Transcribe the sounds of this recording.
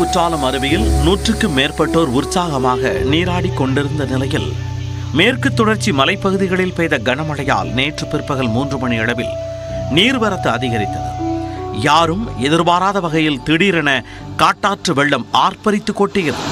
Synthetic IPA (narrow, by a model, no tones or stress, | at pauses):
ʊʈraːlɐmɐɾɯbɪjɪlnuːʈrɯkːɯmeːrpɐʈːoːɾʊrsaːɣɐmaːɣɐ̰niːɾaːɽikːɔɳɖɪɾɯnd̪ɐnɪlɐjɪl | meːrkɯt̪ːɔɽɐɾt͡ʃːimɐlɐɪpːɐɣɯðɪɣɐɭɪlpɛːjðɐɡɐnɐmɐɭɐja̰ːlneːʈrɯpɪɾpːɐɣɐɭmuːndrɯmɐɳiɐɽɐʋɪ̰l | niːɾʋɐɾɐt̪ːɯɐðɪɣɐɾɪt̪ːɐðɯ̰jaːɾɯmɛðɪɾbaːɾaːðɐʋɐɣɐjɪlt̪ɪɽiːɾɐnɐ | kaːʈːaːʈrɯʋɛɭːɐmaːrpɐɾɪt̪ːɯkːoːʈːɪjɪɾ